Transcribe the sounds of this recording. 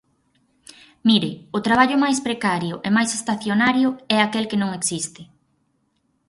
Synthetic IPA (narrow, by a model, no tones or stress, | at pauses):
miɾɪʊt̪ɾaβ̞aʎʊmajspɾekaɾjʊʔemajsest̪aθjonaɾjʊɛakelkenõŋeksist̪ɪ